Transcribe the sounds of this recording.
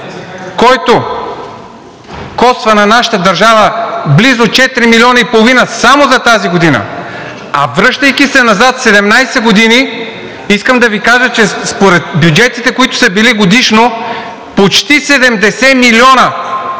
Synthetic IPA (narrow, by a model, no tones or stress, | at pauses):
kɔjt̪o | kɔst̪vənɐnaʃɐ̥t̪əd̪ɐɾʒavəblizot͡ʃɛt̪ɾimilʲɔnɐipolˠovinəsamozɐt̪aziɡod̪inə̰ | ɐ̰vɾɤʃt̪əjkʲisɛnɐzat̪sɛd̪ɛmnajsɛɡod̪ini | iskəmd̪ɐvikaʒət͡ʃɛspoɾɛt̪̚bjud͡ʒɛt̪it̪ɛkoit̪ʊ̥sɐbiliɡod̪iʃno | pot͡ʃt̪isɛd̪ɛmd̪ɛsɛmiliɔnɐ